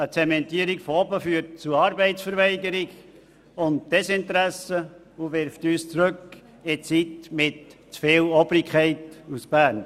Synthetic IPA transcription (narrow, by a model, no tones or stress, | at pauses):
ət͡sɛmɛntiəɾikfɔɔbəfyːəɾt̚t͡suɾɑːɾbɛɪsfəɾʋɛɪɡəɾɪiɡ | ʊntd̥ɛsɪntɾæsə | uʋɪɾftyːst͡sɾɵk | ɪt͡sitmɪtt͡sfɪːlɔbɾɪkʰχɛɪtusb̥æːɾn